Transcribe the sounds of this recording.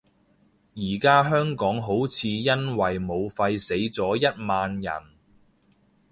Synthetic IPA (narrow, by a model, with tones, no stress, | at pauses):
jiː˨˩kaː˥ɦœː˥ŋkɔː˨˥ŋɦo˨˥wt͡sʰiː˨˧jɐ˥nwɐ˨jmo˨˧wfɐ˧jse˨˥jt͡sɔː˨˥jɐ˥t̚maː˧njɐ̰˨˩n